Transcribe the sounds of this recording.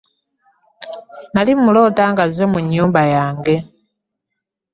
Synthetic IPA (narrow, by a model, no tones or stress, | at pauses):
nalimulo̞ːtaːŋɡazemuɲːuːmbajaːŋɡe̞